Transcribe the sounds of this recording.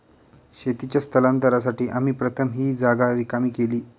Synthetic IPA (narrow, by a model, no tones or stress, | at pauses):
ɕet̪it͡ɕast̪ʰəlant̪əɾas̬aʈiːʔam̤iːpɾət̪ʰəmɦiːd͡zaɡaɾikamiːkeliː